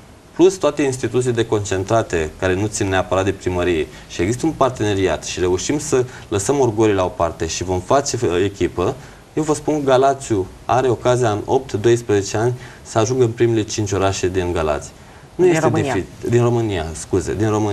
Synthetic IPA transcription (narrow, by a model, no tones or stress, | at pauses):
plust̪oat̪e̞inst̪it̪ut̪silele̞ko̞nt͡ʃe̞nt̪ɾat̪e̞kaɾe̞nut̪sinne̞apəɾat̪̚d̪e̞pɾiməɾije̞ | ʃie̞ɡzist̪əunpart̪e̞ne̞ɾiat̪ʃiɾe̞uʃimsə | ləsəmorɡoɾilao̞part̪e̞ʃivo̞mfat͡ʃe̞ekʲipə | je̞wvəspunkəɡalat̪sju | aɾe̞o̞kazijaɨno̞p̚t̪d̪o̞jspɾeze̞t͡ʃe̞anʲ | səaʒuŋɡəɨnpɾimele̞t͡ʃint͡ʃʲo̞ɾaʃed̪inɡala̰t̪sij | nuje̞st̪ed̪eid̪inro̞mɨnijaskuzḛd̪inromɨ